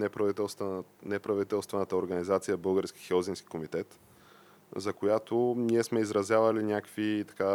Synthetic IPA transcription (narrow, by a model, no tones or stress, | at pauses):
nɛpɾɐvit̪ɛlˠst̪nɛpɾɐvit̪ɛlˠst̪vɛnət̪əoɾɡənizat̪sijəbɤlˠɡəɾskʲi̥xɛɔzinskʲi̥komit̪ɛt̪ | zɐkojat̪oniɛsmɛizɾɐzʲjavɐlinʲakvit̪ɐ̥ka